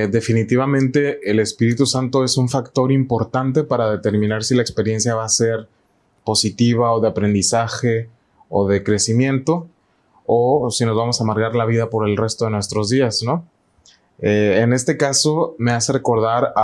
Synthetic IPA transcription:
d̪e̞finit̪iβamẽ̞nt̪e̞ele̞spiɾit̪usant̪o̞e̞suɱfakt̪o̞ɾimpo̞ɾt̪ant̪e̞paɾað̞e̞t̪e̞ɾmĩnaɾsilaekspe̞ɾje̞nsjaβase̞ɾ | po̞sit̪iβ̞aoðe̞apɾe̞nd̪isaxe̞ | oðe̞kɾe̞simjẽ̞nt̪o̞ | osino̞zβamo̞saːmaɾɣaɾlaβ̞iðapo̞ɾe̞lre̞st̪o̞ð̞e̞nwe̞st̪ɾo̞zðiasno̞ | eːne̞st̪e̞kaso̞me̞ase̞re̞ko̞ɾðaɾ

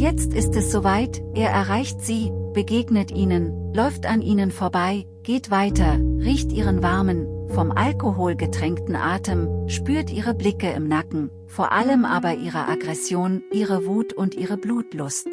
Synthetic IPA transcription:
jɛt͡stɪstɛsz̥oːvaɪtʔeːɐʔɛɐʁaɪçtz̥iːb̥əɡeːɡnətʔiːnənlɔʏftanʔiːnənfoːɐbaɪ | ɡ̥eːtv̥aɪtɐʁiːçtʔiːʁənvaɐmənfɔmʔa̰lkoɦoːlɡətʁ̥ɛŋktn̩ʔaːtəmʃpyːɐtʔiːʁ̞əblɪkəɪ̰mnakŋ̩ | foːɐʔaləmʔa̰ːbɐʔiːʁ̞əʔaɡʁɛsjoːnʔiːʁəvuːtʰʊntʔiːʁəbluːtlʊst

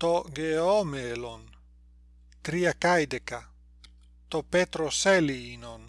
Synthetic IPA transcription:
t̪oɡeomelon | t̪ɾiakajd̪eka | t̪opet̪ɾoseliːnon

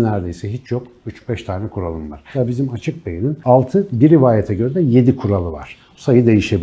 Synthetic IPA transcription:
næɾd̪e̞jsɛɦit͡ʃʰjo̞kyt͡ʃbɛʃt̪ʰaːnɛkʰuɾalˠɯmva̰ɾ̥aːbizimat͡ʃʰɯk̚bejininalˠt̪ʰɯbiɾivaːjet̪ʰɛɟø̞ɾɛd̪ɛje̞d̪ikʰuɾalˠɯva̰ɾ̥ | sajɯd̪e̞jiʃe̞bi

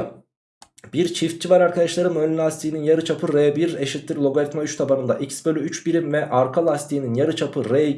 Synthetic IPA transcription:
b̥iɾt͡ʃʰift̪̚t͡ʃʰivaɾaɾkʰad̪aʃlˠaɾɯmønʲylʲast̪ʰijninjaɾɯt͡ʃʰapʰɯɾebiɾeʃit̪ːʲiɾlʲˠo̞ɡalʲit̪mayt͡ʃt̪ʰabanɯnd̪aʔicsbø̞lʲyyt͡ʃbiɾimvɛʔaɾkʰalˠast̪ʰijininjaɾɯt͡ʃʰapʰɯɾe

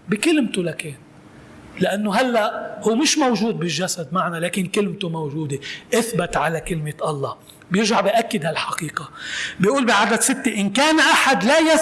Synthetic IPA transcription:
bikɪlmt̪olakeːn | lɪʔanːoɦalːaʔhuːmɪʃmowʒuːd̪̚bɪʒːasad̪maʕnalaːkɪnkɪlmt̪omawʒuːd̪eʔɪθbɪt̪ʕalakɪlmɪt̪ʔɑlˤːɑː | bjɪɾʒaʕbiʔakːɪd̪halħɑqiːqabiʔuːlbiʕad̪ad̪sɪt̪ːeʔɪnkaːnʔaħad̪laja

